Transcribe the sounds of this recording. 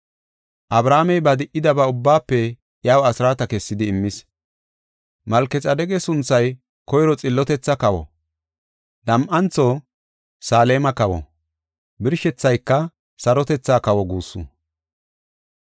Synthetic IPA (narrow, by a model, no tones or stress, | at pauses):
ʔɐbɾaːmɛjbɐd̪ɪʔɪd̪ɐbɐʊbːaːpːɛ | jaːwɐsɪɾaːt̪ɐkɛsːɪd̪ɪːmːɪs | mɐlkːɛt͡sʼɐd̪ɛɡɛsʊnt͡sːɐj | kɔjɾɔt͡sʼɪlːɔt̪ɛt͡sːɐkɐwɔ̰ | d̪ɐmʔɐnt͡sːɔ | saːle̞ːmɐkɐwɔ̰ | bɪɾʃɛt͡sːɐjkːɐ | sɐɾɔt̪ɛt͡sːaːkɐwɔɡuːsːṵ